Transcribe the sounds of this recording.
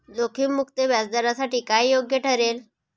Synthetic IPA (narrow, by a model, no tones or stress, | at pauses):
d͡zokʰiːmukt̪eʋjad͡zd̪aɾasaʈiːkajjoɡjəʈʰəɾel